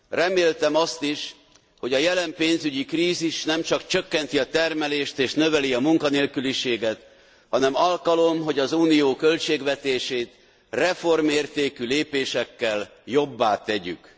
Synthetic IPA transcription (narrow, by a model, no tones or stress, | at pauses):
rɛmeːlt̪ɛmɒst̪iʃ | ho̞ɟɒjɛlɛmpeːnzyɟikriːziʃnɛmt͡ʃɒkt͡ʃøkːɛnt̪iɒt̪ɛrmɛleːʃt̪eːʃnø̞vɛliɒmuŋkɒneːlkyliʃeːɡɛt̪ | hɒnɛmɒlkɒlo̞mɦo̞ɟɒzuːnijoːkø̞lt͡ʃeːɡʋɛt̪eːʃeːt̪ | rɛfo̞rmeːrt̪eːkyleːpeːʃɛkːɛljo̞bːaːt̪ɛɟy̰k